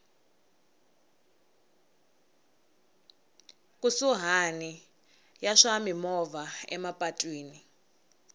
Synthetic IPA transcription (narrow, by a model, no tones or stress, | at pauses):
kʼusuɦani | jaʂamimɔvaɛ̰mapʼatʼwiːni